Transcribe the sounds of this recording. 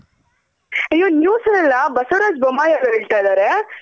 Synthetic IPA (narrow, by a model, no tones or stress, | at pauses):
ɐjːoːnjuːsɐnɛlːɐbɐsɐɾaːd͡ʒbɐmːaːjaɾɐɦeːɭt̪ajd̪aːɾe